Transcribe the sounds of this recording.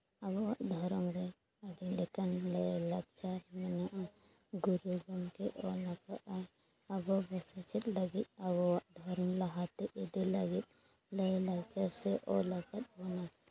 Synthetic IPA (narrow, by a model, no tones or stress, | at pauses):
abɔwaʔd̪ʱɔɾɔmɾɛ | aɖilɛkanləlaɡ̚t͡ʃaɾmɛnaʔa | ɡuɾuɡɔmkɛʔɔlakaʔaj | abɔbɔsat͡ʃɛt̪̚ləɡit̪̚aβɔwaʔd̪ʱɔɾɔmlaɦat̪ɛʔid̪iləɡit̪̚ | ləlaɡt͡ʃasɛʔɔlakat̪̚bɔna